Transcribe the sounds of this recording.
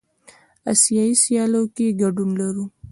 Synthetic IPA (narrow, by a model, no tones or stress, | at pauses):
a̰sijɑisjɑlokeɡaɖunlaɾu